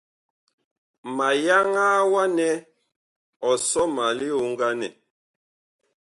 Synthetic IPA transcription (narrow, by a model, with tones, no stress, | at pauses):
ma˨ja˦ŋaː˦wa˦nɛ˦ | ɔ˨sɔ˦ma˨li˦o˦ŋ˦ɡa˦nɛ̰˨